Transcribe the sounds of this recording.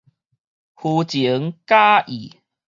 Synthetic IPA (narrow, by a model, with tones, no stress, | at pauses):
hu˧t͡ɕi˨˦ŋka˦ʔi˨˩